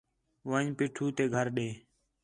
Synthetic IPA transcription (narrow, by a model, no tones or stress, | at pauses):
ʋəɲpiːʈʰuːt̪eːɡʱəɾɗeː